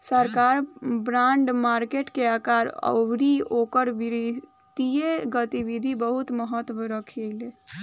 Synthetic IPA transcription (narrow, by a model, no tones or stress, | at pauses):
səɾkaɾbɾãɳɖmaɾkeʈkeaːkaɾə̰ʋɾiokəɾʋiɾi | d̪ijeɡət̪iʋid̪ʱibəɦut̪məɦət̪ːʋəɾəkʰele